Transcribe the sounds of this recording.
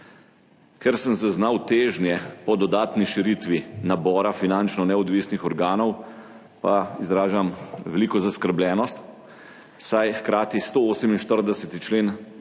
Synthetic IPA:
kɛɾsəmzaznawt̪eːʒnjɛpɔd̪ɔd̪aːt̪niʃiɾit̪ʋinabɔːɾafinant͡ʃnɔnɛɔd̪ʋisnixɔɾɡaːnɔw | pa̰izɾaːʒamʋɛliːkɔzaskəɾblʲjɛːnɔst̪ | sajxkɾaːt̪ist̪ooːsəminʃt̪əɾd̪ɛsɛt̪it͡ʃleːn

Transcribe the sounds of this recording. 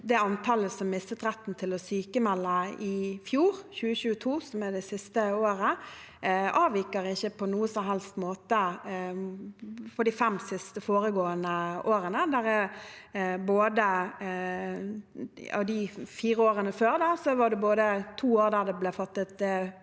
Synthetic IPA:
d̪ɛɑnt̪ʰɑləsɔmːɪst̪ət̪ɾɛt̪ːn̩t̪ʰɪlɔsyːkəmɛlːəɪfjuːɾçʉːəçʉːət̪ʰuːsɔmæd̪ɛsɪst̪əoːɾə | ɑːʋiːkəɾɪçəpʰɔnuːəsɔmɦɛlst̪moːt̪ə | pʰɔd̪ifɛmsɪst̪əfoːɾəɡoːənəʔoːɾənəd̪æɾɛ | boːd̪ə | ɑ̰d̪ɪfiːɾəoːɾənəføːɾd̪ɑsɔʋɑd̪ɛboːd̪ət̪ʰuːoːɾd̪æd̪ɛblɛfɑt̪ːət̪

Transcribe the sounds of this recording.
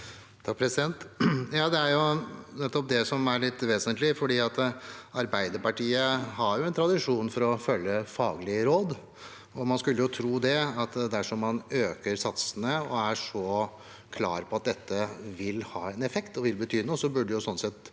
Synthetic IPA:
t̪ʰɑk̚pʰɾɛsɪd̪ɛnt̪jɑːd̪ɛæɾjʊnɛt̪ːɔp̚d̪ɛsɔmæɾɭɪt̪ːʋeːsənt̪lɪfɔɖiːɑt̪ɑɾbæɪd̪əɾpɑʈiːəɦɑɾjʊɛnt̪ʰɾɑd̪ɪʂuːnfɔɾɔfœlːəfɑːɡlɪɾoːd̪ | ɔmɑnskʉlːəjʊt̪ʰɾuːd̪ɛɑt̪d̪æʂɔmːɑnøːkəɾsɑt̪sənəɔæʂɔ | kʰlɑ̰ːɾpʰɔɑt̪̚d̪ɛt̪ʰːəʋɪlhɑːɛnɛfɛkt̪ɔʋɪlbət̪ʰyːnuːsɔbʉɖːəjʊsɔnːsɛt̪

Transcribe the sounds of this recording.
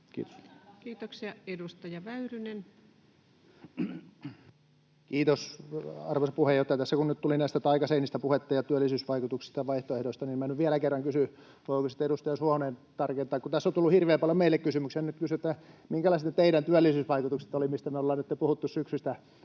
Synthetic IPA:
kḭːt̪oskiːt̪oksiɑedust̪ɑjɑʋæyrynen | kiːt̪osɑrʋosɑpuhejoht̪ɑjɑt̪æsːækunnyt̪t̪ulinæˑist̪æt̪ɑikɑseiniːst̪æpuhet̪ːɑjɑt̪yælːisyːsʋɑikut̪uksi̥st̪ɑʋɑiht̪oehdost̪ɑninmænyʋʋiælækerːɑŋkysy | ʋoikosit̪eɾust̪ɑjɑshuɑneːnt̪ɑrkent̪ɑːkut̪æsːont̪ulːuhirʋeːmpɑljomeilːekkysymyksenyt̪kysyet̪ːæmiŋkælɑˑist̪net̪eiɾænt̪yælːisyːsʋɑikut̪ukse̥t̪olimist̪æmeolːɑːnet̪ːepuhut̪ːussyksyst̪æ

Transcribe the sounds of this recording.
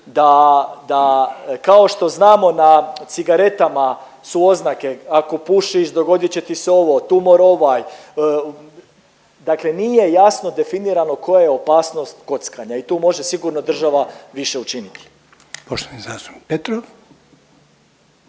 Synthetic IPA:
d̪ad̪akao̞ʃt̪o̞znaːmo̞nat̪siɡaɾe̞t̪ama | suo̞znake̞ako̞puʃiʃd̪o̞ɡo̞d̪jit͡ɕet̪iseo̞ʋo̞t̪umo̞ɾo̞ʋaj | d̪akle̞nije̞jasno̞d̪e̞finiːɾano̞ko̞jajeo̞paːsno̞st̪ko̞t̪skaɲait̪uːmo̞ʒe̞siɡuɾno̞d̪r̩ʒaʋaʋiʃe̞ut͡ʃinit̪i̥ | poʃt̪oʋnizaːst̪o̥nik̚pet̪ɾoʋ

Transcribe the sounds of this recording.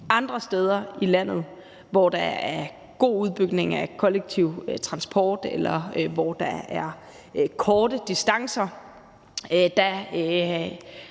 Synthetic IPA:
ʔɑ̈nd̥ʁɐsd̥eːð̞ˠɐilæn̰ð̞̩ˠ | ʋɒd̥ɑæɐ | ɡ̥o̝̰ːuð̞ˠb̥yɡ̥ne̝ŋækʰɒ̽leɡ̥̚t͡sʰiʊt͡sʰʁɑ̈nsb̥ʰɒːd̥elɐʋɒd̥ɑ̈æɐ | kʰɒːd̥əd̥isd̥ɑ̈ŋsɐ | d̥æ

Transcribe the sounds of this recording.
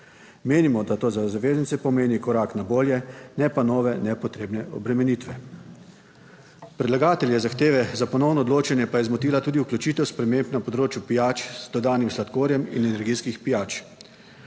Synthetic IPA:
meːnimɔd̪at̪oːzazaʋeːznit̪sɛpɔmeːnikɔɾaːknaboːljɛnɛpanɔːʋɛnɛpɔt̪ɾeːbnɛɔ̰bɾɛmɛniːt̪ʋɛ | pɾɛd̪laɡaːt̪ɛljɛzaxt̪eːʋɛzapɔnɔwnɔːd̪loːt͡ʃɛnjɛpajɛzmɔt̪iːlat̪uːd̪iuklʲut͡ʃiːt̪ɛwspɾɛmeːmpnapɔd̪ɾoːt͡ʃjupijaːt͡ʃz̥d̪ɔd̪aːnimslat̪koːɾjɛmḭnɛnɛɾɡiːskixpijaːt͡ʃ

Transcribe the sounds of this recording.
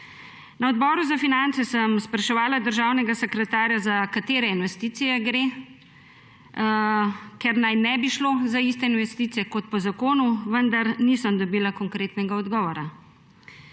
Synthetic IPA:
naɔd̪̚bɔːɾuzafinant̪sɛsəmspɾaʃɛʋaːlad̪əɾʒaːwnɛɡasɛkɾɛt̪aːɾjazakat̪eːɾɛinʋɛst̪iːt̪sijɛɡɾe | kɛɾnajnɛbiʃlozaist̪ɛinʋɛst̪iːt̪sijɛkɔt̪̚pɔzakoːnuʋənd̪aɾnisəmd̪ɔbiːlakɔŋkɾeːt̪nɛɡaɔd̪ɡɔːʋɔɾa

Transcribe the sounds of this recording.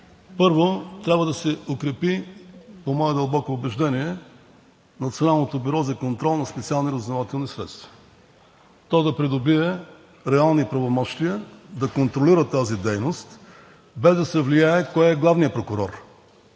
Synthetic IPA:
pɤɾvot̪ɾʲabvəd̪ɐsɛokɾɛpipomɔɛd̪ɐlˠbɔkoːbɛʒd̪ɛniɛ | nɐt̪sionalˠnot̪obiɾɔzɐkont̪ɾɔlˠnɐspɛt̪sialˠniɾəznovat̪ɛlˠnisɾɛt̪st̪vɐ̥ | t̪ɔd̪ɐpɾid̪obiɛ | ɾɛalˠnipɾɐvomɔʃt̪ijəd̪ɐkont̪ɾoliɾət̪azid̪ɛjnost̪ | bɛzd̪ɐsɛvlijaɛkɔjɛɡlˠavnijəpɾokʊɾɔɾ

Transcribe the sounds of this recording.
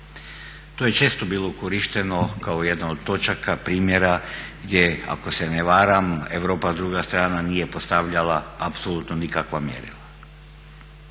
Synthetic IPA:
t̪oje̞t͡ʃe̞ːst̪o̞biːlˠokoɾiʃt̪e̞no̞kaojed̪naod̪̚t̪ːo̞t͡ʃakapɾiːmjeɾaɡd̪je̞a̰ko̞se̞neʋaːɾame̞ʋɾo̞ːpazd̪ɾuɡast̪ɾaːnanije̞po̞st̪aʋʎalaapsolut̪nonikakʋamjḛɾḭla

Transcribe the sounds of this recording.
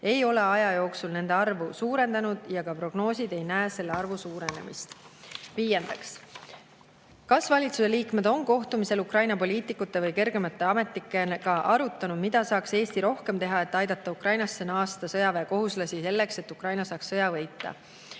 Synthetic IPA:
e̞jo̞le̞ɑjɑjo̞ːksulne̞nd̪e̞ɑrvusuːɾe̞nd̪̥ɑnud̪̥jɑkɑpro̞ɡ̥no̞ːsʲid̪̥e̞jnæːse̞lːeɑrvusuːɾe̞ne̞̰mḭst̪viːje̞nd̪ɑks | kɑsvɑlʲit̪suse̞liːkme̞d̪̥o̞nko̞ht̪umise̞lukrɑjnɑpo̞liːt̪ːˑikːut̪ːˑe̞vɤjke̞rɡ̥e̞mɑt̪ːˑe̞ɑme̞t̪ːikːˑenkɑʔɑɾut̪ːˑɑnud̥̪mid̪̥ɑsɑːkse̞ːst̪iɾo̞hke̞mt̪e̞ɦɑe̞t̪ːˑɑjd̪̥ɑt̪ːˑɑukrɑjnɑsːenɑːst̪ɑsɤjɑveːko̞ɦuslɑsʲise̞lːe̞kse̞t̪ːˑukrɑjnɑsɑːksːɤjɑvɤ̞jt̪ːˑɑ̰

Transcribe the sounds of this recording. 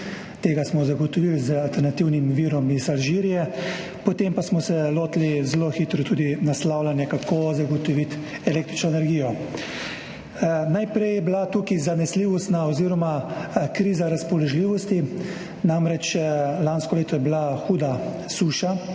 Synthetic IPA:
t̪eːɡasmɔzaɡɔt̪ɔʋilzəalt̪ɛɾnat̪iwnimʋiːɾɔmizalʒiːɾijɛ | pɔt̪empasmɔsɛloːt̪lizloxiːt̪ɾɔt̪uːd̪inaslaːwlanjɛkakʰozaɡɔt̪ɔʋit̪ | ɛleːk̚t̪ɾit͡ʃnɔɛnɛɾɡiːjɔ | najpɾɛjɛblat̪uːkizanɛsliːʋɔst̪naɔziːɾɔmakɾiːzaɾaspɔlɔʒliːʋɔst̪i | namɾɛt͡ʃlanskɔleːt̪ɔjɛblaxuːd̪a | suːʃa

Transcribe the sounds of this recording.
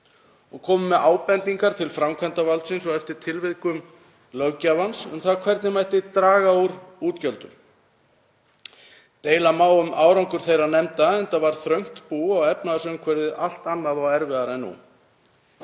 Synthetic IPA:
ɔɣkʰɔːmʏmːɛðaːwpɛnt̪iŋkaɾ̥t̪ʰɪlfɾamkʰvɛnt̪avalt̪sɪnsɔɣɛft̪ɪɾ̥t̪ʰɪlvɪðkʏm | lœɣcavansʏmθakʰvɛɾt̪nɪmajht̪ɪt̪ɾaːɣauɾuːt̪cœlt̪ʏm | t̪eːjlamaːwʏmʔaːwɾawŋkʏɾ̥θejɾanɛmt̪aɛnt̪avaɾ̥θɾœɥŋ̥t̪puːɔɣɛpnaðasʏʏmkʰvɛɾðɪʔal̥t̪anːaðaɛɾvɪðaɾɛnːṵ

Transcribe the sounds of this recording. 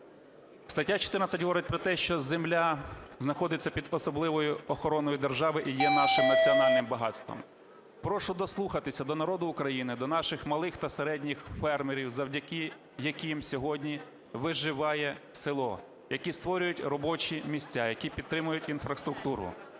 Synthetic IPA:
st̪ɐtʲːat͡ʃɔ̥t̪ɪrnɐt͡sʲɐtʲɦɔʋɔɾɪt̚ʲpɾɔt̪ɛʃt͡ʃɔzemlʲaznɐxɔd̪ɪt͡sʲːɐpʲid̪ɔsɔblˠɪʋɔjʊɔxɔɾɔnɔjid̪erʒɑʋɪʔijɛnɑʃɪmnɐt͡sʲiɔnɑlʲnɪmbɐɦɑt̪st̪ʋɔ̰m | pɾɔʃʊd̪ɔslˠuxɐt̪ɪsʲɐd̪ɔnɐɾɔd̪ʊːkɾɐjinɪd̪ɔn̪ɑʃɪxmɐlˠɪxt̪ɐseɾɛdʲnʲixfɛrmeɾʲiwzɐwdʲɐkɪ | jɐkʲimsʲɔɦɔdʲnʲi | ʋɪʒɪʋɑjɛsɪlˠɔ | jɐkʲist̪ʋɔɾʲʊjʊtʲrɔbɔt͡ʃʲimʲisʲtʲajɐkʲipʲid̪t̪ːɾɪmʊjʊtʲinfɾɐst̪ɾʊk̚t̪uɾʊ̰

